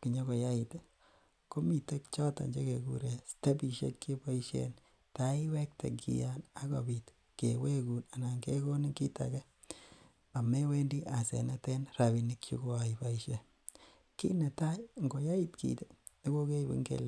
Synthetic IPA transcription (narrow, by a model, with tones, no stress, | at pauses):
ki˨ɲo˦ko˨ja˦i˨t | ko˦mi˨te˦kt͡ʃɔ˦ta̰˨ɲd͡ʒe˦ke˨kṵ˦ɾe˨ste˦bi˨ʃjḛ˦kːe˦ba˦i˦ʃḛ˦n | ta˦i˦wɛ˦k̚tḛ˨kḭ˨ja˦na˦kɔ̰˨bi˨t | ke˨we˦ku˨na˨na˨ŋɡe˦ko˦ni˦ki˦ta̰˨kɛ˦ | a˨me˦we˦ndi˦ʔa˨sḛ˨nɛ˦te˦nra˨βi˨nikt͡ʃṵ˦ko˦a˨ipa˨i˦ʃe˦ | kḭ˦ne˨ta˦jŋɡo˨ja˦i˦tkḭ˨te˦ | e˦ko˦ke˦i˨bḭ˦ŋɡḛ˨l